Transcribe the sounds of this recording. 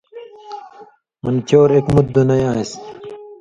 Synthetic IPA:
mɐnt͡ɕoːɾekmut̪̚d̪unɐjãːes

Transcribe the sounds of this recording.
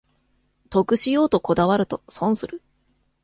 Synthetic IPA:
t̪o̞kɯ̟ɕijo̞ːt̪o̞ko̞d̪aβ̞aɾɯ̟t̪o̞sõ̞ɰ̃sɨɾɯ̟

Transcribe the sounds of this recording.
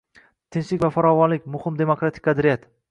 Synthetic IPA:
t̪ʰɪnʃlɪkʲvafaɾɒvɒnlɪkʲmʊhɪmd̪e̞mokɾat̪ʰɪ̥kʲqʰɑd̪ɾijat̪

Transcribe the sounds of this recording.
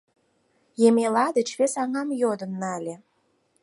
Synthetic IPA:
jemʲelɑd̪ə̆t͡ɕβesɑŋɑmjod̪ə̆nːɑlʲe

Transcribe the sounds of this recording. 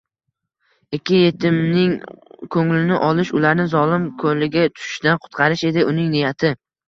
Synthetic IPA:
ɪkʲʰːɪje̞t̪ʰɪmnɪŋkʰɵŋlɪnɪʔɒlˠɪʃʊlaɾnɪzɒlɪmkʰɵlɪɡʲat̪ʰʊ̥ʃɪ̥ʃd̪anqʰʊ̥t̪qʰɑɾɪʃe̞d̪ɪʔʊnɪŋnɪjat̪ʰɪ

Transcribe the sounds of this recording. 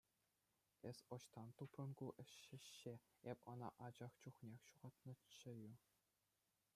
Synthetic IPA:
esʲŏɕt̪ɑnt̪uprɤ̆nkuʔɘ̆ɕːɘ̆ɕːe | epʲɤ̆nɑ̰ʔɑd͡ʑɑχt͡ɕuχnʲexʲɕuʁɑt̪nɤ̆t͡ɕːɘ̆ju

